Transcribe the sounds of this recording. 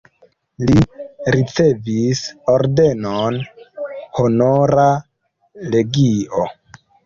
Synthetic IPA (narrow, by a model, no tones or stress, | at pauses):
liɾit͡se̞visoɾde̞non | honoɾa | le̞ɡio